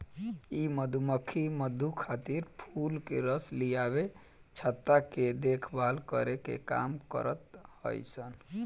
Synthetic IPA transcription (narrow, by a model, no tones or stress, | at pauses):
iməd̪ʱuməkʰːiməd̪ʱukʰat̪iɾpʰulkeɾəslijabe | t͡ʃʰət̪ːaked̪ekʰbalkəɾekḛka̰mkə̰ɾət̪hə̰jsən